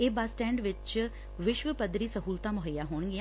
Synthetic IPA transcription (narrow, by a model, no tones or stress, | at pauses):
eːbaːsʈɛ̃ːɳɖʋɪt͡ʃ | ʋɪʃʋəpəd̪ɾiːsəɦuːlt̪aːmʊɦəjaːɦoːɳɡɪãː